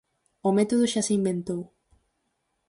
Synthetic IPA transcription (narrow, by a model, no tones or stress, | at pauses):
omet̪oð̞ʊʃasɪimbẽnt̪ow